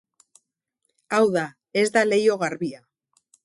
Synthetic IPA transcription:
awða | e̞zd̪ale̞jo̞ɣaɾβia

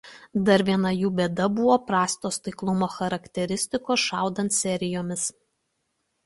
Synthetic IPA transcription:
d̪ɐɾʲʋʲiɛnɐjuːbʲeːd̪ɐbʊʋoːpɾɑːsʲt̪oːst̪ɐɪklˠʊmoːxɐɾɐkʲt̪ʲɛɾʲɪsʲt̪ʲɪkoːsʃɑˑʊd̪ɐnt̪sʲɛɾʲɪjoːmʲɪs

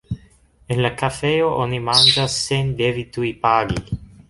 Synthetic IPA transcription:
enlakafeoʔonimand͡ʒasːend̪evit̪uipaːɡḭ

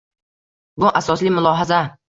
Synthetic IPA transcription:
bʊʔasɒslɪmʊlˠɒɦaza

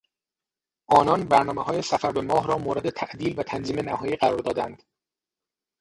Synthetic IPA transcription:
ʔɒːnɒːnbæɾnɒːmehɒːjesæfæɾbe̞mɒːɦɾɒːmoːɾe̞d̪et̪ʰæʔd̪iːlvæt̪ʰænziːme̞næhɒːjiːɢæɾɒːɾd̪ɒːd̪æ̰nd̪̥

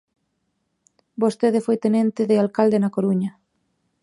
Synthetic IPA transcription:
bost̪eðɪfojt̪enẽnt̪ɪðealkald̪enakoɾuɲɐ

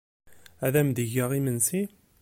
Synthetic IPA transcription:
æðæmd̪əʝəʁimənsi

